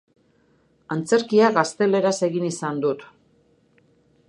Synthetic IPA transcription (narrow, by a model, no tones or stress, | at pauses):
ant͡se̞ɾkiaɣast̪e̞le̞ɾase̞ɣinisand̪ut̪